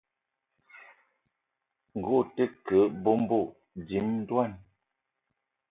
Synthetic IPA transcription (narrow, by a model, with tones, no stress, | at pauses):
ŋ̩˨ɡo˦˨tə˦kə˨˦bo˦m˦bo˦˨ | di˨˦mn̩˦dwa˦˨n